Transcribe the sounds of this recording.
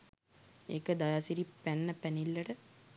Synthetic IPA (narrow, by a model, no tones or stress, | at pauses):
ḛkəd̪ajasiɾipænːəpænilːəʈə